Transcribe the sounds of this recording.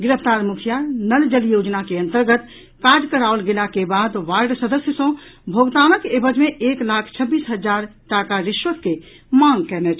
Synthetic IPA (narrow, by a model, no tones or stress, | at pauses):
ɡɪɾəpʰt̪aɾmukʰjanəld͡ʒəljod͡ʒnakeənt̪əɾɡət̪ | kad͡ʒkəɾaolɡelakebad̪ʋaɾɖsəd̪əsjəsə̃bʱoɡt̪anəkebəd͡ʒmeʔeklakʰt͡ʃʰəbiːsɦəd͡ʒaɾʈakaɾiʃʋət̪ke | mãŋɡkɛnɛt͡ʃʰ